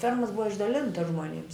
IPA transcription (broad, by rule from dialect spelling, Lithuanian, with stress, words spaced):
ˈfʲɛrmoːs ˈbʊʋɐ ɪʒdɐˈlʲɪntɐs ʒmoːˈnʲɪms